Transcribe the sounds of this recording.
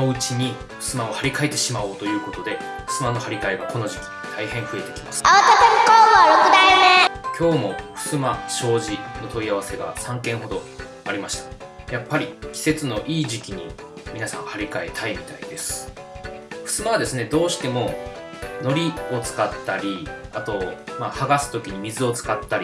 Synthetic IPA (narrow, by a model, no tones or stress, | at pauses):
oɯ̟t͡ɕiɲ̟i | ɸɯ̥sɨmao̞haɾʲikae̞t̪ːe̞ɕimaɯt̪o̞jɯ̟ːko̞t̪o̞d̪e̞ | ɸɯ̟̥sɨmano̞haɾʲikaeɡakʰo̞no̞ʑikʲi̥t̪ʰaihẽ̞ɰ̃ɸɯ̟e̞t̪e̞kʲi̥masɨ̥aat̪asinikoːnoɾokɯd̪ainekʲo̞ːmo̞ɸɯ̟̥sɨmaɕo̞ːʑino̞t̪o̞iaβ̞ase̞ɡa̰sãŋkẽ̞ɰ̃ɦo̞d̪o̞ | aɾʲimaɕi̥t̪ḁ | japːaɾʲikʲi̥se̞t͡sɨno̞ʔiːʑikʲiɲ̟ḭ | mʲinasã̰ɰ̃haɾʲikae̞t̪ʰaimʲit̪aid̪e̞sɨ̥ | ɸɯ̟̥sɨmaad̪e̞sɨne̞d̪o̞ːɕi̥t̪e̞mo̞ | no̞ɾʲio̞t͡sɨ̥kat̪ːaɾʲiat̪o̞maːhaɡasɨ̥t̪o̞kʲiɲ̟imʲizɨo̞t͡sɨ̥kat̪ːaɾʲi